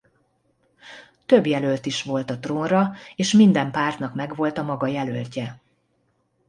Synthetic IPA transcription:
t̪ø̞bjɛlølt̪iʃʋo̞lt̪ɒt̪roːnrɒeːʃmind̪ɛmpaːrt̪nɒkmɛɡʋo̞lt̪ɒmɒɡɒjɛlølcɛ

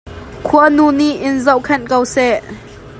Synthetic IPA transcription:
kʰuənuːniʔɪnzowkʰɛnkəwsɛʔ

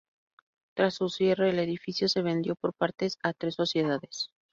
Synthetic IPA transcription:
t̪ɾasusjereele̞ðifisjo̞se̞β̞e̞nd̪jo̞po̞ɾpaɾt̪e̞sat̪ɾe̞sːo̞sje̞ðaðe̞s

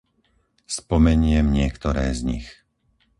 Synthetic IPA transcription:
spɔmɛɲɪɛmɲɪɛkt̪ɔɾɛːzɲḭx

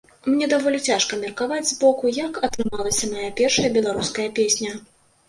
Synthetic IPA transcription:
mnʲɛd̪avɔlʲit͡sʲaʂkɐmʲɛrkavad͡zʲzbɔkujɐkɐt̪ɾɨmalˠɐsʲɐmajapʲɛrʂɐjɐbʲɛlˠaɾuskɐjɐpʲesʲnʲɐ

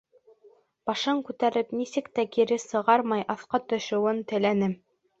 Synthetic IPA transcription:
b̥ɑʃɤɴkʉt̪æɾɘpnisɘkt̪ækiɾɘsɤ̆ʁɑɾmɑjʔɑθqɑt̪ɵ̆ʃŏwɤnt̪ɘ̆lænɘm

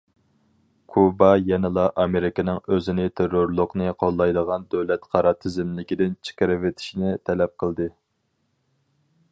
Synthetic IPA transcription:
kʰubɑjɛnɪlˠɑʔɑmeɾɪkʲɪnɪŋøzɪnɪt̪ʰeɾoɾlˠʊqnɨqʰolˠːɑjd̪əʁɑnd̪øwlɛt̪qʰɑɾɑt̪ʰːɪzɪmlɪkʲid̪ɪnt͡ʃʰɪ̥kʲɪɾɪvet̪ʰi̥ʃnɪt̪ʰɛlɛp̚qʰəlˠd̪ɨ

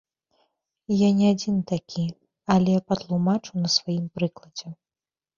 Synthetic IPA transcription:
janʲɛad͡zʲint̪akʲʰi | alʲɛpɐt̪lˠumat͡ʂɨwnɐsvajimpɾɨklˠɐd͡zʲɛ

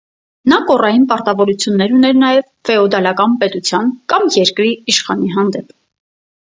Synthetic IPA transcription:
nɑkɔrɑjinpɑɾt̪ɑvɔɾut͡sʰjunːɛɾunɛɾnɑjɛv | fɛɔd̪ɑlɑkɑnpɛt̪ut͡sʰjɑnkɑmjɛɾkɾiiʃχɑniɦɑnd̪ɛpʰ

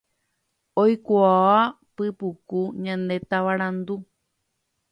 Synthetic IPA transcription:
ojkuaa | pɨpukuɲãnd̪et̪aʋaɾãnd̪u

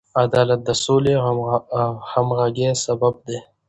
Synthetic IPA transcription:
ad̪ɑːlat̪̚d̪əsole | hamɣaɡesabab̚d̪e

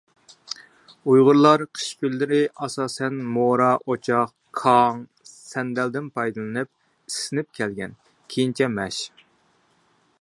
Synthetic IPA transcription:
ujʁʊɾlˠɑɾqʰə̥ʃkʲylːɪɾɪʔɑsɑːsɛnmoɾɑʔot͡ʃʰɑq | kʰɑŋ | sɛnd̪ɛld̪ɪnpʰɑjd̪ɨlˠɨnɨp̚ | isɪnɪp̚kʲʰɛlɡʲɛn | kʲʰejint͡ʃʰɛmɛʃ

